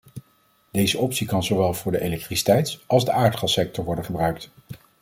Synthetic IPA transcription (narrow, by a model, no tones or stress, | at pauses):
dejzəʔɔpsikɑnzoʋɛlˠvʊːɹdəʔelɛk̚trisi̥tɛjtʔɑlˠzdəʔaːɹtχɑlˠsɛk̚tɔɹʋɔɹdənχəbrœɥkt